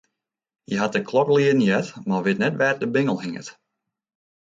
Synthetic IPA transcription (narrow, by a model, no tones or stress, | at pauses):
jəɦat̚əkʰlɔkliənjɛtmaʋɪtnɛtʋɛːt̚dəbɪŋəl̩ˠhɪŋə̰t